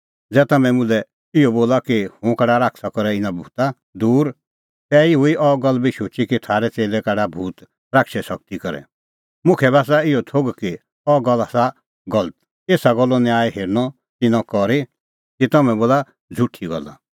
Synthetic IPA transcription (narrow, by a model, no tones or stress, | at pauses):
d͡zɛːt̪ɐmɛ̃mʊ̃lɛ | ɪɔboːlakihʊ̃kɛɽaɾaːkʰsakɔɾɛɪnãbʱuːt̪a | d̪uːɾ | t̪ɛːiɦʊiʔɔɡɔlːbiʃʊːt͡ʃikit̪ʰaːɾɛt͡seːlɛkɛɖabʱuːt̪ | ɾakʃɛsɐk̚t̪ikɔɾɛ̰ | mʊ̃kʰɛbaːs̬aɪjɔt̪ʰoɡki | ɔɡɔlːasa | ɡɔlət̪ | eːsaɡɔlːɔniaːiɦeːɾnɔ | t̪ɪnɔ̃kɔɾi | kit̪ɔmɛ̃boːla | d͡zʱuʈʰːiɡɔ̰lːa̰